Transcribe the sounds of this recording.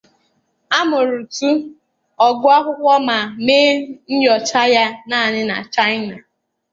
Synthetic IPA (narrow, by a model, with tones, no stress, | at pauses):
a˦mʊ˨ɾu˨tu˦ | ɔ˨ɡʊ˦a˦ɦʊ˦kʷɔ˦ma˨meː˦n̩˦jɔ˨t͡ʃa˦ja˦na˦˨nɪ˦na̰˨t͡ʃa˦ɪ˦na˨